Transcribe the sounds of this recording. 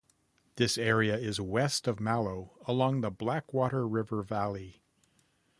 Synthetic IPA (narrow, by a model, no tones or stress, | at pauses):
ðɪsɛɹiɨɪzwɛstʌvmælˠoʊəlɔ̃ŋðəblækwɔɾə˞ɹɪvə˞vælˠi